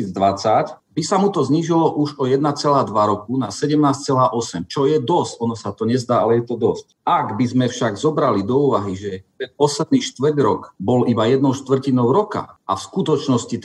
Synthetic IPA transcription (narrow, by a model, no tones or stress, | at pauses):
id͡zd̪ʋat͡sac | bisamut̪ɔzɲiʒilɔʔuʒɔjɛd̪nat͡sɛlaːd̪ʋaɾɔkunasɛɟɛmnaːst͡sɛlaːʔɔsɛmt͡ʃɔjɛd̪ɔscɔnɔsat̪ɔɲɛzd̪aːalɛjɛt̪ɔd̪ɔsc | aɡbizmɛfʃaɡzɔbɾalid̪ɔuːʋaɦiʒɛt̪ɛnpɔslɛd̪niːʃt̪ʋr̩ɟɾɔkbɔlibajɛd̪nɔʊʃt̪ʋr̩cinɔʊɾɔka̰ʔafskut̪ɔt͡ʃnɔscit̪